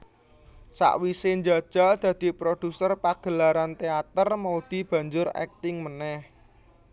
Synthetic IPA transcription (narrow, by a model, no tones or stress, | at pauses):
sa̰ʔwiseɲd͡ʒḁʒ̥a̤d̪̥ä̤d̪̥i̤pɾod̥ṳsərpaɡ̥ə̤laɾant̪eat̪ərmaud̪̥i̤b̥ä̤ɲd͡ʒʊɾɛ̰k̚t̪ɪŋmənɛh